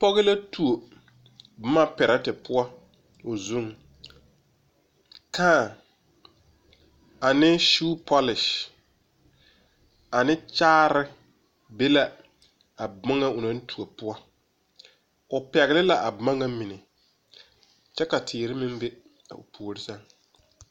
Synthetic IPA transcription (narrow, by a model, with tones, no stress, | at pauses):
pɔ˦ɣɪ˦la˦tu˨o˨ | b̩˦ma˦pɛ˨ɾa˦tɪ˨pʊ˦a˦ | o˨zu˦ŋ | kãː˦˨ | a˨nɪ˦ʃuː˦pʰɔ˦lɪ˨ʃ | a˨nɪ˦t͡ʃaː˦ɾɪ˦ | be˦la˦ | a˨ba˦ŋa˦ʊ˨na˦n̩˦tʰu˨a˨pʊ˦a˦ | ʊ˨pɛ˨ɣɪ˦lɪ˦la˨ʔa˨bma˦ŋa˦mi˨nɪ˨ | t͡ʃɛ˦ka˨tʰɪː˨ɾɪ˦mɪ˦m˦be˦ | a̰˨ʊ̰˨pʰoː˨ɾɪ˦sa˦ŋ